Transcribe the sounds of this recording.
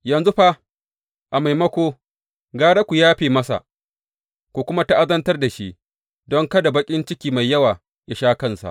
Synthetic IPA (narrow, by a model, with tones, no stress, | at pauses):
jɐ˨nzu˦ɸa˦ | ʔa˨ma˨jmɐ˦kʷoː˦ | ɡaː˦ɽa˦kʷu˨jaː˦ɸeː˦˨mɐ˦sa̰˨ʔ | kʷu˨kʷʊ˦ma˦ta˦ʔa˦zɐ˦ntɐ˦rda˨ʃi˦ʔ | dɔ˦ŋkɐ˦da˨bɐ˦kʲʼɪ˦nt͡ʃɪ˦kʲiː˨ma˨jːɐ˦waː˨ | ja˨ʃaː˦kɐ˦nsa̰˨ʔ